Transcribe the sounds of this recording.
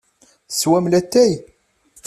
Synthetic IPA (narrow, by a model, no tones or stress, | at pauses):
swæmlæt̪ːæj